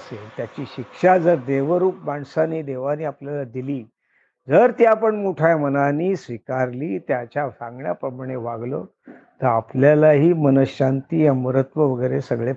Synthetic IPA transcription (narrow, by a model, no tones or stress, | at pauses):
əselt̪jat͡ɕiːɕikʂad͡zəɾd̪eʋəɾuːpmaɳsaniːd̪eʋaniːapljalad̪iliː | d͡zəɾt̪japəɳmoʈʰajmənaniːsʋikaɾliːt̪jat͡ɕjasãŋɡɳja̰pɾəmaɳ̃eʋaɡlo̰ | t̪əɾapljalaɦiːmənəɕant̪iːjaməɾət̪ʋəʋəɡəjɾesəɡɭe